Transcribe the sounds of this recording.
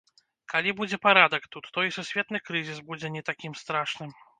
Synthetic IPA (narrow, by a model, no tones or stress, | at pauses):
kalʲibud͡zʲɛpaɾad̪ɐkt̪ut̪ːɔisusʲvʲɛt̪nɨkɾɨzʲisbud͡zʲɛnʲɛt̪akʲimst̪ɾaʂnɨm